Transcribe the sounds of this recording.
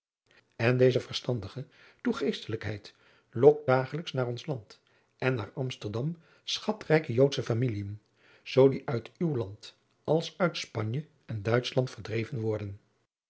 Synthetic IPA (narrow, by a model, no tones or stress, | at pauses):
ɛndejzəvəɹstɑndəχə | tuχejstələkɦɛjt | lɔk̚d̥aːχələksnaːɹɔnslɑnt | ɛnːaːɹɑmstəɹdɑm | sχɑtrɛjkəjowtsəfamiliən | z̥owdiʔœɥtywlɑnt | ɑlˠsœɥtspɑɲjə | ɛndœɥtslɑntfəɹdrejvənʋɔɹdən